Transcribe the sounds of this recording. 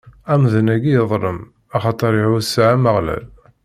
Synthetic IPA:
æmðənæɡijəðˤɾˤəm | ɑχɑt̪ˤəɾiʕusʕaməʁlæ̰l

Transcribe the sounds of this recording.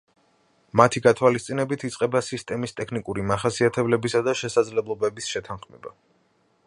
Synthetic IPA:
mat̪ʰiɡat̪ʰwalist̪sʼinɛbit̪ʰit̪sʼqʼɛbasist̪ʼɛmist̪ʼɛkʰnikʼuɾimaχasiat̪ʰɛblɛbisad̪aʃɛsad̪zlɛblˠɔbɛbisʃɛt̪ʰanχmɛ̰ba̰

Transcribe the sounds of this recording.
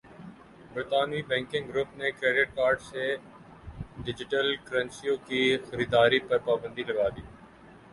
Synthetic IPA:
bɪɾt̪aːnibɛ̃ːŋkɪ̃ŋɡɾʊpnekɾeːɖɪʈ̚kaːɾɖse | ɖɪd͡ʒɪʈəlkəɾənsijõːkiːxəɾiːd̪aːɾiːpɐɾpaːbə̃nd̪iːlɐɡaːd̪iː

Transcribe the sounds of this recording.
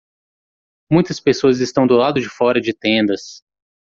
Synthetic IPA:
mũj̃t̪ɐspesoɐzɪst̪ɐ̃w̃d̪ʊlad̪ʊd͡ʒɪfɔɾɐd͡ʒɪt̪ẽnd̪ɐs

